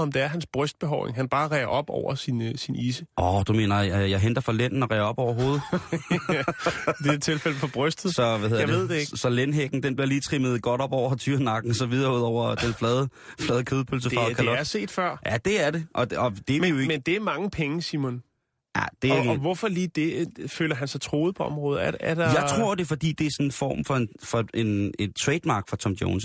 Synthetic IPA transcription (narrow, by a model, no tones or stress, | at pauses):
ɒ̽md̥e̝æɐɦænsb̥ʁœsd̥̚b̥eɦɒʊḛŋɦænb̥ɑ̈ːʁɛɪɐʔɒ̽b̥ɒ̰ʊ̰ɐsinsiniːsəʔɒd̥ume̝̰ːnɐjjɑ̈ɪɦend̥ɐfɒlen̰n̩ɒʁɛɪɐɒ̽b̥ɒʊ̰ɐɦo̝ːð̞̩ˠ | d̥e̝t͡sʰe̝lfel̰fɒ̽b̥ʁœsd̥ðˠsɒ̽ʋæðhe̝ðˠadʋeð̰ˠd̥eeɡsɒ̽lenɦeɡ̥n̩d̥enb̥liɐliːt͡sʰʁiməð̞̩ˠɡ̥ɒ̽ɾ̥ɒ̽b̥ɒʊ̰ɐt͡sʰyːɐnɑ̈ɡ̥n̩ɒsɒ̽ʋið̞ˠɐuð̞̰ˠɒʊ̰ɐd̥enflɛːðˠə | flɛːð̞ˠkʰøð̞ˠpʰøls̬ə̥ɑ̈kʰælɒɐse̝̰ːd̥fɶɐ̰jæd̥e̝æɐɾe̝ʔɒ̽dɒd̥e̝ejoemend̥e̝æɐmɑ̈ŋəpʰeŋəsimɔn | jæd̥e̝ɡʋɔfɒliːd̥e̝føːlɐɦænsɑ̈ɪt͡sʰʁo̝ːð̩ˠpʰɒ̽ɒ̽mʁɔ̽ːð̩ˠɐæɐd̥ɑjɑ̈ɪt͡sʰʁʁo̝ɐ̰d̥e̝fɒ̽d̥ḭːd̥e̝æɐsɔ̽nenfɒ̰ːmfɒ̽enfɒ̽ʔe̝ne̝nt͡sʰʁɛːd̥mɑ̈ːɡ̥fʁɑ̈t͡sʰɒ̽md̥jo̝̰ːns